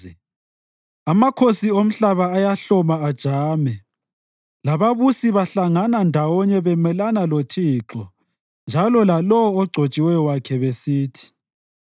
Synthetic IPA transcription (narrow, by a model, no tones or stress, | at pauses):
amakʰosiom̩ɬaβaːjaɬɔmaːd̥ʒ̥ʱaːmɛ | laβaβusiβaɬaŋanandʱawɔɲɛβɛmɛlanalotʰiːǁɔ | nd͡ʒʱalɔlalɔwːɡ͡ǀʱot͡ʃʼiwɛjɔwakʰɛβesiːtʰi̥